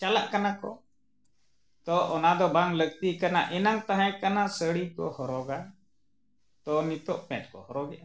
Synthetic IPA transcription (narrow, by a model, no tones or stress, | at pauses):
t͡ʃalaʔkanakɔ̰ | t̪ɔʔɔnad̪ɔbaŋləɡt̪ikanaʔɛnaŋt̪aɦɛ̃kanasəɽikɔ̰hɔɾɔɡa | t̪ɔnit̪ɔʔpɛ̃ʈkɔ̰hɔɾɔɡɛʔa